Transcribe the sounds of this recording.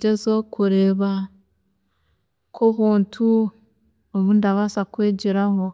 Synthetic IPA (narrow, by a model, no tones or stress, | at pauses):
ɟezokʰuɾe̞ːβa | kʰoβuːntʰu | oβundaβasakweːɟiɾaho̞